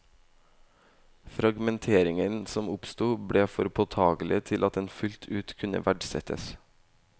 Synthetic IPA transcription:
fɾɑɡmɛnt̪ʰeːɾɪŋənsɔmʊpst̪uːbɽeːfɔɾpʰɔt̪ʰɑːɡl̩ɪ̰ət̪ʰɪlʔɑt̪̚d̪ɛnfʉlt̪ʰʉːt̪kʰʉnə̰ʋæɖsɛ̰t̪ʰə̰s

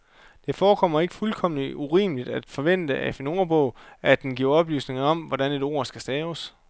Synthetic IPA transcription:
d̥e̝fɒːkʰɒ̽m̰ɐe̝ɡ̥əfulkʰɒ̽m̰liuʁḭːmlid̥æd̥fɒ̽ʋen̰d̥əʔæfeno̝ːɐb̥ɔ̽ʊæd̥enɡ̥iɐ̰ɒ̽b̥ly̰ːsne̝ŋɐɒ̽mʋɒd̥æne̝d̥o̝ːɐ̰sɡ̥æsd̥ɛːʊəs

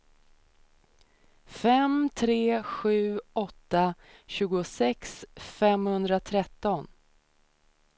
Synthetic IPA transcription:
fɛmt̪ʰɾeːɧʉ̟ːɔt̪ːa | ɕʉ̟ːɡʊsɛksfɛmhɵnd̪ɾat̪ʰɾɛt̪ːɔn

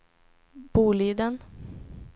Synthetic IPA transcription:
b̥uːliːd̪ən

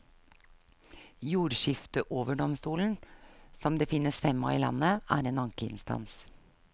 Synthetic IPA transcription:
juːɾʃɪft̪əʔoːʋəɖɔmst̪uːln̩sɔmd̪eːfɪnːəsfɛmːɑ̰ːḭːlɑ̰nːəʔæ̰ːɾeːnɑŋkəɪ̰nst̪ɑ̰ns

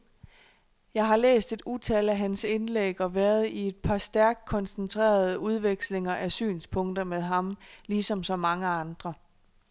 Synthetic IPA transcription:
jɑ̈ɪɦɑ̈lḛːsd̥e̝d̥ut͡sʰælæɦænse̝nleɡ̥ɒ̽ʋæːɐð̞̩ˠie̝d̥̚pʰɑ̈sd̥æɐɡ̥̚kʰːɒ̽nsnt͡sʰʁḛːɐð̞ˠəuð̞ˠʋeɡ̥sle̝ŋɐʔæsy̰ːnspʰɔ̽ŋ̰d̥ɐmeð̞ˠɦɑ̈mlisɒ̽msɒ̽mɑ̈ŋəɑ̈nd̥ʁɐ

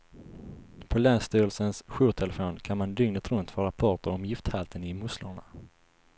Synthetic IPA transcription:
pʰɔlɛːnst̪yːɾəlsənsɧuːt̪ʰɛlɛfoːnkʰanmand̪ʏŋnət̪ɾɵnt̪fœɾapʰɔʈəɾɔmjɪft̪halt̪ʰənɪmʊsləɳa̰

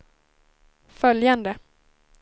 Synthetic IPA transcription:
fœljand̪ə

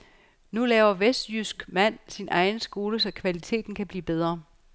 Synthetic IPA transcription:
nulɛːʊɐʋesd̥jysɡ̥mæn̰sinʔɑ̈ɪnsɡ̥o̝ːləsɒ̽kʰʋælit͡sʰe̝̰ːd̥n̩kʰæb̥lḭːb̥eð̞ˠʁɐ

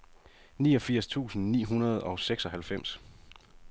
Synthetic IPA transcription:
niːɒ̽fiɐ̰st͡sʰṵːsn̩nḭːɦunɐð̞ˠɒ̽seɡ̥sɒ̽ɦælfem̰s

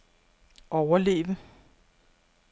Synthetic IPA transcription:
ʔɒʊɐle̝̰ːʋə

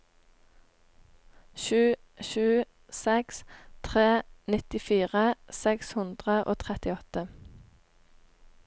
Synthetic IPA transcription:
ʃʉː | ʃʉː | sɛkst̪ʰʁeːnɪt̪ɪfiːʁəsɛkshʉnd̪ʁəʔo̰ːt̪ʰʁɛt̪ɪɔt̪ə

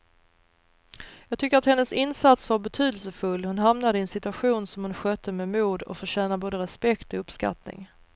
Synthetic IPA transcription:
jɑːɡ̚t̪ʰʏkːəɾat̪hɛnːəsɪnsat̪svaɾbɛt̪ʰyːd̪əlsəfɵlːhʊnɦamnad̪əɛːnsɪt̪ɵaɧuːnsɔmhʊnɧœːt̪ʰːəmɛmuːd̪ɔ̰fœɕɛːnaboːd̪əɾɛspɛkt̪ɔɵpska̰t̪nɪ̰ŋ

